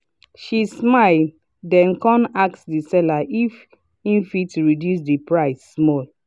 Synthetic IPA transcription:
ʃismaɪl | dɛ̃nkɔ̃nak̚sdisɛlaʔif | ĩnfitɹidjus̬dipɹaɪsːmɔl

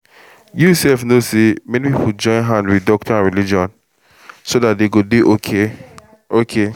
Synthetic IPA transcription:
jusɛlfnosemɛnipipud͡ʒɔ̃ɪ̃nɦãndwiθdɔk̚tiãnɹilid͡ʒɔ̃n | sodatdeɡodeʔokʰe | okʰe

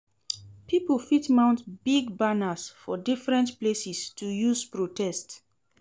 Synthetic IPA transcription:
pʰipəlfitmãʊ̃ntbiɡbanasfɔdifɹɛ̃ntplesistʰujuzpɹotʰɛst

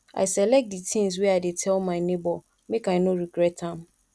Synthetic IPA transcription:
ʔa̰ɪsɛlɛk̚t̚ditʰĩŋs̬wɛaɪdetʰɛlmãɪnebɔ | mekaɪnoɹiɡɹɛtãm

